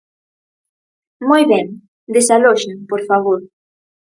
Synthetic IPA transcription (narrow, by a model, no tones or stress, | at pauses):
mojβɛŋ | d̪esaloʃeŋpoɾfaβoɾ